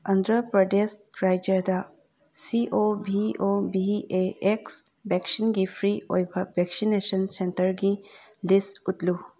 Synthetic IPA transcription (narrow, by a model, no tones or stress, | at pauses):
ənd̪ɾəpɾəɖesʈ̚ɾajd͡ʒəd̪a | siʔobiobieeks | bɛksinɡipʰɾio̰jbabeksinesənsentəɾɡilisʈut̪lu